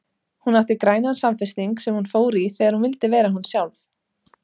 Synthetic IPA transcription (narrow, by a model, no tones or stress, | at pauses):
hunawt̪ɪkɾaːjnansamfɪst̪iŋksɛmhunfoːwɾiθɛːɣaɾhunvɪlt̪ɪvɛːɾaɦunsjawlf